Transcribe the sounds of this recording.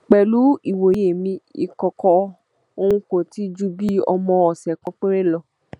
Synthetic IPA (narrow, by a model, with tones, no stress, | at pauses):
k͡pɛ˨lu˨˦i˨wo˨je˦˨mĩ˧ḭ˦˧kɔ˧kɔ˧ | o˧w̃ũ˧ko˨ti˦d͡ʒu˦bi˦ɔ̰˧mɔ̃˧ɔ˨sɛ˨kɔ̃˦k͡pe˦ɾe˦lɔ˧